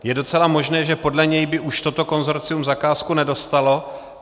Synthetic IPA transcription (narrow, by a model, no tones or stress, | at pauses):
jɛdo̞t͡sɛlamo̞ʒnɛːʒɛpo̞dlɛɲɛjbɪʔuʃt̪o̞t̪o̞ko̞nzo̞ɾt͡sɪjumzakaːskunɛdo̞st̪alo̞